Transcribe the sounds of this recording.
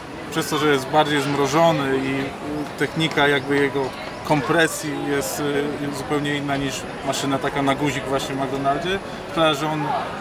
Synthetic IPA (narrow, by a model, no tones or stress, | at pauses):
pʂɛst̪ɔʐɛjɛst̪baɾd͡ʑejzmɾɔʐɔnɘi | t̪ɛxɲikajaɡbɘjɛɡɔ | kɔmpɾɛsʲjijɛst̪zupɛwɲɛinːaɲiʂ | maʂɘnat̪akanaɡuʑiɡvwaɕɲɛvmaɡd̪ɔnaɾd͡ʑɛ | kt̪ɾaʐɛɔn